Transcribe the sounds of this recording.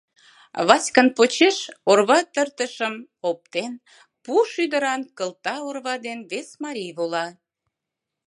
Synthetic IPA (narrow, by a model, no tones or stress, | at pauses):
βɑsʲkənpot͡ɕeʃorβɑt̪ərt̪əʃəmop̚t̪en | puʃyd̪əɾɑnkəlt̪ɑorβɑd̪enβesmɑɾʲijβolɑ